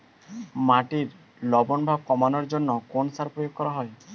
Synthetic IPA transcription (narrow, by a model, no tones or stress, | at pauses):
maʈiɾ | lɔbɔnbʱab̚kɔmanɔɾd͡ʒonːɔkonsaɾpɾɔjoɡ̚kɔɾaɦɔj